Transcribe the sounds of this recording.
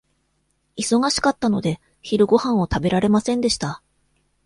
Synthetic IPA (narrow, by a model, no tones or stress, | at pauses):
iso̞ɡaɕi̥kat̪ːano̞d̪e̞ | çiɾɯ̟ɡo̞hãɰ̃o̞t̪abe̞ɾaɾe̞masẽnd̪e̞ɕi̥t̪a